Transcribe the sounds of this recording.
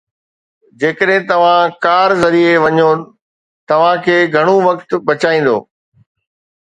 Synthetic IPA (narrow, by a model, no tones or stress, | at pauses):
d͡ʑeːkəɗɦɪ̃t̪ɐʋ̤ãkaːɾzɐɾieʋɐɲo | t̪ɐʋ̤ãkʰeːɡʱɐɽ̃oʋɐk̚t̪̆ɓɐt͡ɕaːĩːn̆d̪o̰ː